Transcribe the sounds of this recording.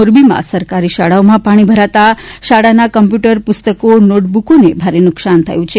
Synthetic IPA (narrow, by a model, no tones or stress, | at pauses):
oɾbimã̰səɾkaɾiʃaɽaomãpaɽ̃ibʱəɾat̪aʃaɽanakəmpjuʈəɾpʊst̪əkonoʈ̚bukonebʱaɾenʊksant̪ʰa̰jũt͡ʃʰe